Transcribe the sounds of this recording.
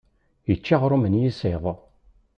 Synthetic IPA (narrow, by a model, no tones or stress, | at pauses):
jət͡ʃːaʁɾumənjiseðˤ